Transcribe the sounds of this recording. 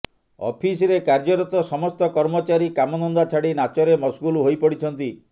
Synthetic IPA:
ɔ̰pʰisɾekaɾd͡ʒɔɾɔt̪ɔsɔmɔst̪ɔkɔɾmɔt͡ʃaɾikamɔnɔnd̪at͡ʃʰaɽinat͡ʃɔɾemɔsɡuluɦojpɔɽit͡ʃʰɔnt̪i

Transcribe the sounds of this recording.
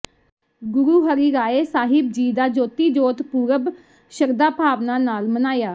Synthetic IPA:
ɡʊɾuːɦəɾiːɾaːeːsaːɦɪb̚d͡ʒiːd̪aːd͡ʒoːt̪iːd͡ʒoːt̪puːɾəb | ʃəɾd̪aːpaːʋnaːnaːlmənaːjaː

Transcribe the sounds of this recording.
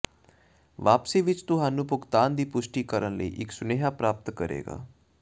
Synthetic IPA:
ʋaːpsiːʋɪt͡ʃt̪ʊɦaːnũːpʊkt̪aːnd̪iːpʊʃʈiːkəɾənləḭːʔɪksʊneːɦaːpɾaːp̚t̪kəɾḛːɡa̰ː

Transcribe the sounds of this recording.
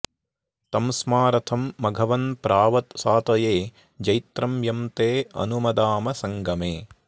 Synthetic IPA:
t̪ɐmsmaːɾɐt̪ʰɐmːɐɡʱɐʋɐnpɾʔaːʋɐt̪saːt̪ɐjeː | d͡ʒɐjt̪ɾɐmjɐmt̪eːɐ̰numɐd̪aːmɐsɐŋɡɐmeː

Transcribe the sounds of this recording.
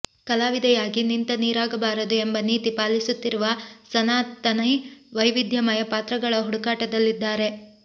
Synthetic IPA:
kɐlaːʋid̪ɐjaːɡinint̪ɐniːɾaːɡɐbaːɾɐd̪ue̞mbɐniːt̪ipaːlisut̪ːiɾuʋɐsɐnaːt̪ːɐnɐjʋɐjʋid̪ʱjɐmɐjɐpaːt̪ɾɐɡɐɭɐɦuɽukaːʈɐd̪ɐlːid̪ːaːɾe̞

